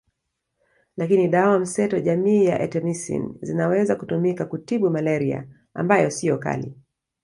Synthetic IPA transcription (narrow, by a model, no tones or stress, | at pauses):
lakiniɗawam̩sɛtɔʄamiːjaʔɛtɛmisḭnzinawɛzakutumikakutiɓumalɛɾia̰ | a̰mbajɔsijɔka̰lḭ